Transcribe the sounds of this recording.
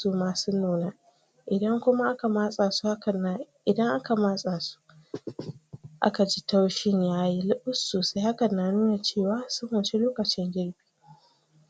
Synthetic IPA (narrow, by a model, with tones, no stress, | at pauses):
uː˨maː˨su˦nuː˦na˦ | ʔɪ˨dɐ˦ŋkʷʊ˦ma˦ʔa˦ka˨maː˦sʼaː˨su˦ha˦kʔɪ˨dɐ˦ŋʔa˦ka˨maː˦sʼaː˨su̥˦ | ʔa̰˦ka˨d͡ʒi˦ta˦wʃɪ˦ɲjaː˦ji˦lɪ˦ɓʊ˦sːoː˨sa˦jha˦ka˨nːa˨nuː˦na˨t͡ʃeː˦˨waː˨˦sʊ˦mːʊ˨nt͡ʃe˦loː˦kɐ˨t͡ʃɪ˦ŋɡʲɪ˦ɽbi̥ː˦